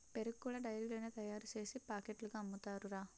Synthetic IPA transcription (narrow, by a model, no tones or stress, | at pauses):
peɾukːuɭɐɖɐjliɡloːnet̪ɐjaːɾut͡ʃe̞ːsipaːkeʈluɡaːɐmːut̪aːɾuɾaː